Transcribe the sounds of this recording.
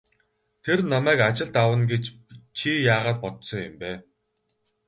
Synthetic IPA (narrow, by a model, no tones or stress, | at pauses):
t̪ʰernamæːkat͡ɕɪ̆ɮt̪awə̆nɡet͡ɕ | t͡ɕʰijaːʁaːt̪̚pɔt̪sɞ̆ŋjʊmpæː